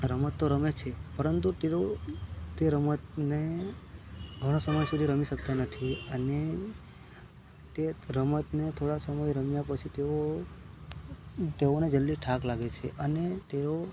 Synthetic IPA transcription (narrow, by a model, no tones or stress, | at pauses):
ɾəmət̪ːoɾəmet͡ʃʰepəɾənt̪ut̪eɾot̪eɾəmət̪ne | ɡʱəɽ̃osəməjsud̪ʱiɾəmiʃək̚t̪anət̪ʰiəne | t̪eɾəmət̪net̪ʰoɽasəməjɾəmjapət͡ʃʰit̪eo | t̪eʋoned͡ʒəlːiʈʰaklaɡet͡ʃʰḛʔənet̪eɾo